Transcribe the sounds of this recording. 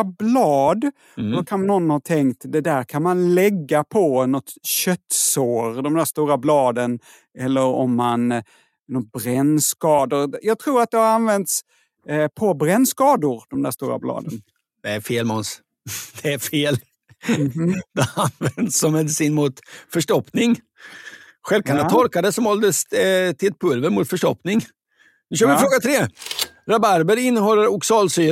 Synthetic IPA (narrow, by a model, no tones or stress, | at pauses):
ablɑːd̪ | dɔkʰannɔnːhɑt̪ʰɛŋkt̪d̪ɛd̪æːɾkʰanmanlɛɡːapʰɔnɔt̪ɕœt̪ːsoːɾd̪ɔmd̪æːst̪uːɾablɑːd̪ən | ɛlːəɾɔmːan | nɔt̪̚bɾɛnːskɑːd̪ʊɾjɑːɡ̚t̪ʰɾuːɾat̪̚d̪ɛhaɾanvɛnt̪s | pʰɔbɾɛnːskɑːd̪ʊɾd̪̥ɔmd̪æːʂt̪ṵːɾa̰blɑ̰ːd̪ən | d̪̥ɛæɾfeːlmɔns | d̪̥ɛæɾfeːl | d̪ɛanvɛnd̪sːɔmːɛd̪ɪsiːnmʊt̪fœʂʈɔpːnɪŋ | ɧɛlkʰand̪at̪ʰɔɾkad̪əsɔmhɔld̪əst̪ʰɪlɛt̪̚pʰɵlvəɾmʊt̪fœʂʈɔpnɪŋ | nʉ̟ɕœːɾvɪfɾoːɡat̪ʰɾeːɾabaɾbəɾɪnːəɦɔlːəɾʊksɑːlsyː